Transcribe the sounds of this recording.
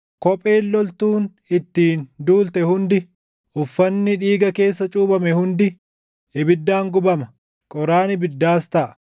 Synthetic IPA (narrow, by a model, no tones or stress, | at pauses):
kɔpʼe̞ːlːɔlt̪uːn | ɪt̪ːiːnd̪uːlt̪ɛhʊnd̪ɪ | ʔʊfːɐnːɪᶑiːɡɐke̞ːsːɐt͡ʃʼuːbɐmɛhʊnd̪ɪ | ɪbɪd̪ːaːŋɡʊbɐmɐ | kʼɔɾaːnɪbɪd̪ːaːst̪ɐʔɐ̥